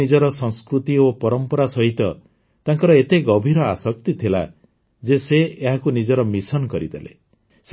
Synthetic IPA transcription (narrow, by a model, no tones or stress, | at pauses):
id͡ʒɔɾɔsɔ̃ŋskɾut̪iopɔɾɔmpɔɾasɔɦit̪ɔ | t̪aŋkɔɾɔet̪eɡɔbʱiɾɔa̰sɔk̚t̪it̪ʰila̰ | d͡ʒeseeɦakunid͡ʒɔɾɔmisɔnɔkɔɾid̪elḛ | s